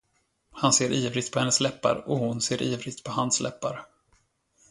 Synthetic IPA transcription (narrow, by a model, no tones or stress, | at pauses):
hanseːɾʔiːvɾɪɡt̪pʰɔhɛnːəslɛpːa̰ɾɔhʊnseːɾʔiːvɾɪɡ̚t̪̚pʰɔhanslɛ̰pːaɾ